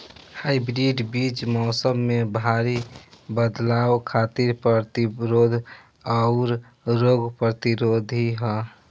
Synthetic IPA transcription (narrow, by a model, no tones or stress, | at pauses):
haibɾiɖbiːt͡ʃmɔːsəmːebʱaɾibəd̪lawkʰat̪iɾpɾət̪iɾod̪ʱ | aʊɾ | ɾoːɡpɾət̪iɾod̪ʱiɦɛ